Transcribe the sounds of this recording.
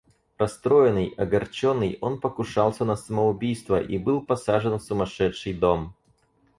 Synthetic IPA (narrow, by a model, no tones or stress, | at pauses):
ɾɐst̪ɾo̞jɪnɨjɐɡɐrt͡ɕonːɨjo̞npəkʊʂɑlˠsʲənəsəməʊbʲijst̪vəʔibɨlˠpɐsaʐɨnfsʊmɐʂɛt̪ʂɨjd̪o̞m